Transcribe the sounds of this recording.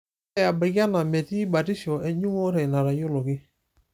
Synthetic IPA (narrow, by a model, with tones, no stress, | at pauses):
ɛ˦a˨ba˨ka˦na˨mɛ˨ti˦ba˨ti˦ʃɔ˨ʔɛ˦ɲu˦ŋo˦ɾɛ˨na˨ɾa˨jʊ˦lʊ˨kɪ˦